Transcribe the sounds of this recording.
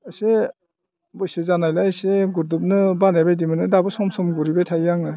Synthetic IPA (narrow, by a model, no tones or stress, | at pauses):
se | bɔjsezanajlajseɡuɾdup̚nɯbanajbajdimɯnɯdabɯsɔmsɔmɡuɾibajtʰajjaŋnɯ